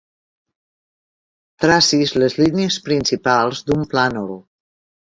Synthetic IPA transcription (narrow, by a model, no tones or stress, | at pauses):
t̪ɾasizləzliniəspɾinsipalˠzd̪umplanɔɾu